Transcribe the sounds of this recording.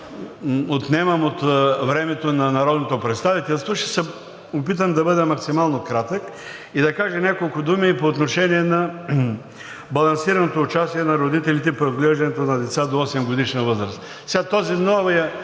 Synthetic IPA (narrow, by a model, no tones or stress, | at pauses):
ot̪nɛmɐmot̪vɾɛmɛt̪onɐnɐɾɔd̪not̪opɾɛt̪st̪avit̪ɛlˠst̪voʃt̪ɛ̥sɛ | opit̪əmd̪ɐbɤd̪ɛmɐksimalˠnokɾat̪ək | id̪ɐkaʒɛnʲakolˠkʊd̪umipoːt̪noʃɛniɛnɐ | bɐlˠɐnsiɾɐnot̪oːt͡ʃast̪iɛnɐɾod̪it̪ɛlit̪̬ɛpɾiod̪ɡlɛʒd̪ɐnɛt̪onɐd̪ɛt̪sad̪oɔsɛmɡod̪iʃnəvɤzɾəst̪ | sɛɡat̪ɔzinɔvijə